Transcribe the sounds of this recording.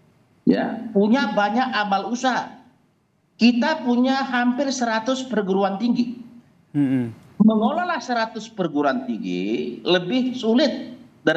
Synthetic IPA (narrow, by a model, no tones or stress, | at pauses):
ja̰puɲabaɲakamalusa | kit̪apuɲaɦampɪrsəɾat̪ʊspərɡəɾuant̪iŋɡi | məŋolɔlahsəɾat̪ʊspərɡuɾuant̪iŋɡḭləbɪhsulɪt̪̚daɾ